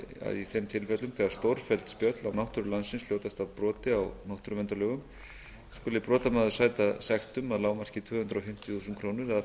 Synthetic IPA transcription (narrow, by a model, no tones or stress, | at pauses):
a̰ðiθemt̪ʰɪlfɛt̪lʏmθɛɣaɾst̪owɾ̥fɛlt̪spjœt̪lawnawht̪ʏɾʏlansɪnsljoːwt̪ast̪avpɾɔːt̪ɪawnawht̪ʏɾʏmvɛnt̪aɾlœɣʏm | skɔːlɪpɾɔːt̪amaːðʏ̥saːjt̪asɛxt̪ʏmaðlaːwmaɾ̥r̥cɪt̪ʰvʏːhʏnt̪ɾaɔfɪm̥t̪ɪ̥θuːsʏnt̪kʰɾoːwnɪɾað